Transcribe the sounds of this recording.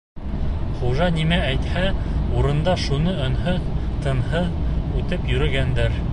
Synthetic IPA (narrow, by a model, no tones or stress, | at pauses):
χuʒɑnimææjt̪hæuɾɤ̆nd̪ɑʃunɤɤ̆nhɤt̪ɤ̆nhɤðʉt̪ɘpjɵ̆ɾɘ̆ɡænd̪æɾ